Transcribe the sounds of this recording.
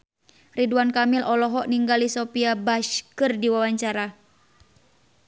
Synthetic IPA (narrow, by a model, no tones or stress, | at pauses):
riduankamilʔɔlɔɦɔʔniŋɡalisɔpiabaʃkɨrdiwawaɲt͡ʃaɾa